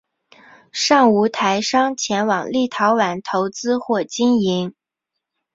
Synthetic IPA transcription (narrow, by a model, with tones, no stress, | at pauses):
ʂɑ˥˩ŋu˧˥t̪ʰa˧˥ɪʂɑ˥ŋt͡ɕʰjɛ˧˥nwɑ˨˩ŋli˥˩t̪ʰɑ˧˥ʊwa˨˧˩nt̪ʰo˧˥ʊt͡sɹ̩˥xwɔ˥˩t͡ɕi˥ni˧˥ŋ